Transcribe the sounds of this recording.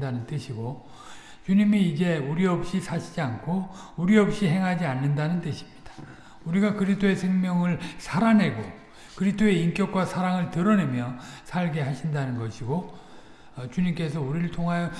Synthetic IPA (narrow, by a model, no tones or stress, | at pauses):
danɯnt͈ɯɕʰiɡo | t͡ɕuɲimiːd͡ʑe̞uɾiʌp̚ɕ͈isʰaɕʰid͡ʑiankʰouɾiʌp̚ɕ͈iɦe̞ŋɦad͡ʑianːɯndanɯnt͈ɯɕʰi̥mɲid̥ḁ | uɾiɡakɯɾistʰoe̞sʰe̞ŋmjʌŋɯɭsʰaɾanɦe̞ɡo | kɯɾistʰoe̞ink͈jʌk͈wasʰaɾaŋɯɭtɯɾʌne̞mjʌsʰaɭɡe̞ɦaɕʰindanɯnɡʌɕʰiɡo | t͡ɕuɲimk͈e̞sʰʌuɾiɾɯɭtʰoŋɦajo